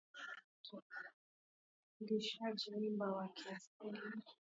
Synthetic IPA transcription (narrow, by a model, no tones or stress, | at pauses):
diʃad͡ʒiɲimbawakiasili